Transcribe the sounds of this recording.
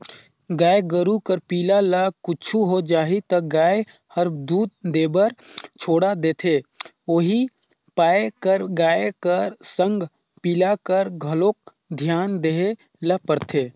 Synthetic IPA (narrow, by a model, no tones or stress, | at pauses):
ɡaːeɡəɾukəɾpiːlaləkʊt͡ʃʰuɦod͡ʒaːɦit̪əɡaːe | həɾd̪uːd̪̚d̪eːbəɾt͡ʃʰoːɽad̪eːt̪ʰeː | oːɦi | paːekəɾɡaːekəɾsə̃ŋɡʱ | piːlakəɾɡʱəloːk̚ | d̪ʱjaːnd̪eɦe | ləpəɾt̪ʰeː